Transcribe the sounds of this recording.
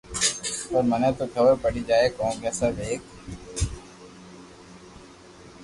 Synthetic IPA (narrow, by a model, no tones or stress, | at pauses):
pəɾmənɛ̃ːt̪oːt̪ʰoːʋeːpəɽiːd͡ʒaːeːkõːkɛːsaːd̪eːk̚